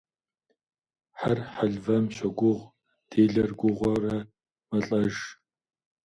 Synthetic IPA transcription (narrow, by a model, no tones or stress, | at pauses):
ħarħaɮvɐmɕʷɐɡʷʊʁʷ | d̥ʰeːɮɐrɡʷʊʁʷɐrɐ | mɐɬʼɐʒ